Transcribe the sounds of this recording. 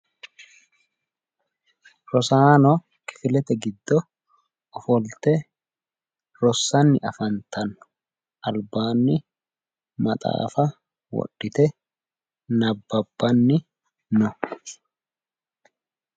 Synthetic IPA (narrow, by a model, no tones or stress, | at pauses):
ɾɔsaːnɔ | kɪ̥fɪlɛt̪ɛɡɪd̪ːɔ | ɔfɔlt̪ɛ | ɾɔsːɐnːɪʔɐfɐnt̪ɐnːʊ̥ | ʔɐlbaːnːɪ | mɐt̪ʼa̰ːfɐ | wɔ̰ɗɪt̪ɛ | nɐbːɐbːɐnːɪ | nɔ